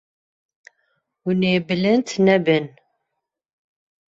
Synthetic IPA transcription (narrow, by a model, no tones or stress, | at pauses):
wunebələnt̪næbən